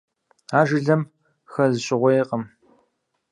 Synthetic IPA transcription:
aːʒɪɮɐm | xɐzɨɕʼɪʁʷɔjeqəm

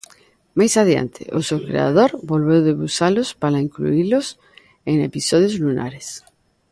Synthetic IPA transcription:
majsaðia̰nt̪ʰḛʔosewkɾḛa̰ðoɾbolβewðeβusalospalaiŋklṵilos | eŋḛpisoð̞jozluna̰ɾes

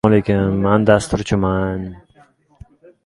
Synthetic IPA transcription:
lekʲanmand̪ast̪ʊɾt͡ʃʰɪman

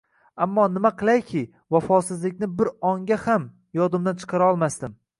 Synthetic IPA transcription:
amːɒnɪmaqʰɨlˠajkʲʰɪ | vafɒsɪzlɪkʲnɪbɪɾɒŋɡʲaham | jɒd̪ɪmd̪ant͡ʃʰɨ̥qʰɑɾaɒlˠmast̪ɪm

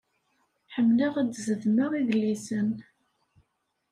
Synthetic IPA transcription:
ħəmːləʁad̪zəðməɾˤiðlːisən

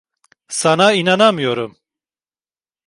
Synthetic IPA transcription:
sanainanamɯjoɾum

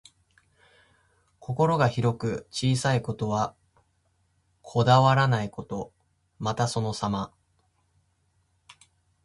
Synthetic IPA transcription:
kʰo̞ko̞ɾo̞ɡaçiɾo̞kɯ̟t͡ɕiːsaiko̞t̪o̞β̞a | kʰo̞d̪aβaɾanaiko̞t̪o̞ | mat̪aso̞no̞sama

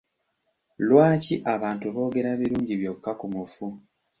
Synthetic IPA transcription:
lwaːciʔaβaːntuβo̞ːɡe̞ɾaβiɾuːɲɟiβjo̞kːakumufu

